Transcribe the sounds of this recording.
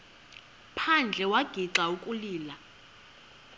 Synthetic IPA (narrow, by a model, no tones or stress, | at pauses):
pʰand͡ɮʱɛwaɡ̥ʱiǁaukʼuliːla